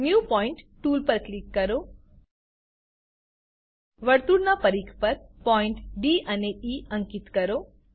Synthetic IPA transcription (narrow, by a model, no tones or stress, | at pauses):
njupɔiɳʈʈːuːlpəɾklikːəɾo | ʋəɽt̪uɽnapəɾikʰpəɾpɔiɳʈɖianeiəŋkit̪kəɾo